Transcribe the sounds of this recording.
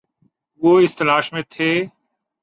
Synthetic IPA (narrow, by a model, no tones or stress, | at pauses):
oːɪst̪ɐlaːʃmẽːt̪ʰeː